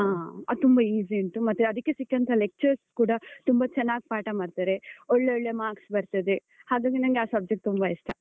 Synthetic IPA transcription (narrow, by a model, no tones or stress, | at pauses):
aːa̰ːd̪t̪umbɐiːziiɳʈumɐt̪ːeɐd̪ikːesikːɐnt̪ʰɐlek̚t͡ʃɐɾskuːɽɐt̪umbɐt͡ʃɛnːaːɡipaːʈɐmaːɖt̪aːɾeɔɭːeɔɭːemaːksbɐɾt̪ɐd̪e | haːɡaːɡenɐŋɡeaːsɐb̚d͡ʒek̚ʈt̪ːumbɐiʂʈʰɐ